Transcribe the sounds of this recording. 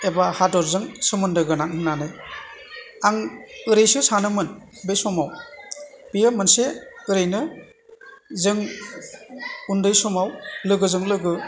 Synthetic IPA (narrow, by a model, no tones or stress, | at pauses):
ebahadɔɾzɯŋsɯmɯndɯɡɯnaŋhɯnanɯj | aŋɯɾejsɯsanɯmɯn | bejsɔmaw | b̥ijɯmɯnseɯɾejnɯ | zɯŋ | undɯjsɔmawlɯɡɯzɯŋlɯɡɯ